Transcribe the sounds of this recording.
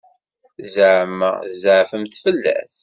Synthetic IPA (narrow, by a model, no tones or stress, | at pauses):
zəʕəmːə̰zəʕfəmθfəlːæ̰θ